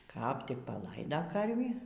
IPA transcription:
kɐp ˈtʲɪk pɐˈlˠɐɪdɐ ˈkɐrʲʋʲiː

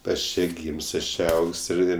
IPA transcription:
ˈɐʃ ˈt͡ʃʲeː ˈɡʲiːmʲsʲ ˈɐʃ ˈt͡ʃʲeː ˈɐʊkʲsʲ ɪr ˈɪr

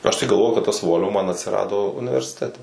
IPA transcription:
ˈɐʃ tɐɪ ɡɐlˠˈʋoːjʊ kɐt ˈtɐs ˈʋoːlʲʋoː ˈmɐn ɐtʲsʲɪˈrɑːdoː ʊnʲɪʋʲɛrʲsʲɪˈtʲæːtʲɛ

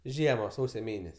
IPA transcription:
ˈʒʲiɛmɐ ˈsɐʊsʲoː ˈmʲeːnʲɛsʲ

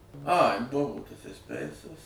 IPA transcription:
ɐɪ ˈbʊʋoː ˈtɐs ɛsʲˈpʲɛɪsɐs

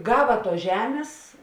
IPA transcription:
ˈɡɑːʋɐ ˈtuɔs ˈʒʲæːmʲeːs

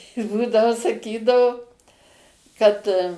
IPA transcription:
ˈbuːdɐʋoː sɐˈkʲiːdɐʋoː ˈkɐt

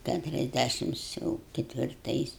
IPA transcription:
ˌkʲætʊrʲɛzʲˈdʲæʃʲɪms ˈjɛʊ kʲɛtʲʋʲɪrˈtɐɪs

